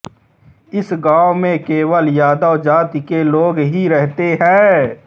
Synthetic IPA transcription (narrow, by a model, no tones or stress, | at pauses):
ɪsɡãːomẽkeːwəljaːd̪əːd͡ʒaːt̪ikeloːɡɦiɾɛɦt̪eɦɛ̃ː